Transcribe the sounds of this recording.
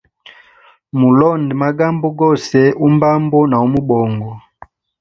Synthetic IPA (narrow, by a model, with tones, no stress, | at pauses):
mu˨lɔ˦˨ndi˨ma˦ɡa˦mbɔ˦ɡɔ˦˨sɛ˦u˦mba˦mbɔ˦na˨u˦mu˦ɓɔ˨ŋɡɔ˨